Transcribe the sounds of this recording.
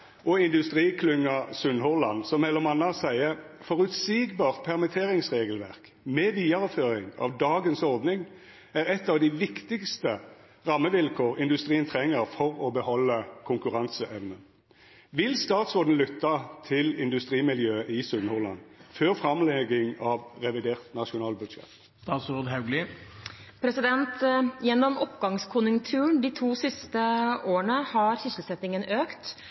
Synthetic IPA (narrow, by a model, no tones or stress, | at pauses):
ʔɔɪnd̪ʉst̪ʁiːkʰlʉŋːɑsʉnhɔʁlɑnsɔmːɛlːəmɑnːɑsæɪəfɔʁʉt̪siːɡbɑːʁt̪̚pʰɛʁmɛt̪ʰeːʁɪŋsʁeːɡəlʋæʁk | mɛʋiːɑʁəføːʁɪŋɑ̰ʋd̪ɑːɡənsɔʁd̪nɪŋ | æːʁɛt̪ːɑʋd̪ɪʋɪkt̪ɪkst̪ə | ʁɑmːəʋɪlkʰoːʁɪnd̪ʉst̪ʁiːənt̪ʰʁɛŋːəʁfɔʁɔbəhɔlːəkʰʊŋkʉʁɑnsəʔɛʋnən | ʋɪlst̪ɑːt̪sɔʁd̪n̩lʏt̪ːɑt̪ʰɪlɪnd̪ʉst̪ʁiːmɪljøːəʔɪsʉnhʊʁlɑ̰nføʁfʁɑmlɛɡɪŋɑʋʁɛʋɪd̪eːʁt̪nɑʂʊnɑːlbʉd̪ʃɛ̰t̪ | st̪ɑːt̪sʊʁd̪ɦɑʉɡlɪ | pʰɾɛsɪd̪ɛnt̪jɛnːɔmɔpɡɑŋskʰʊnjʊŋt̪ʰʉːəɳd̪iːt̪ʰuːsɪst̪əoːəɳəhɑɾçɪsl̩sɛt̪ːɪŋənøːkt̪